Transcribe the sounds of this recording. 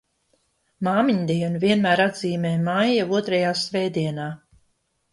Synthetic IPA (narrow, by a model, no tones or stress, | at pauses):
maːmiɲd̪iɛnuvʲiɛnmæːɾad̪ziːmɛːjmajauɔt̪ɾɛjaːsvɛːd̪iɛnaː